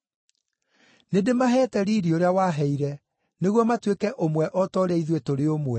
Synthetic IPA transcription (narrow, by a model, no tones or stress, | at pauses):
nedemaɦɛːtɛɾiːɾioɾeawaːɦɛiɾɛ | neɣwɔmatwekɛʔomwɛʔɔtɔɾɛiðwetoɾeomwɛ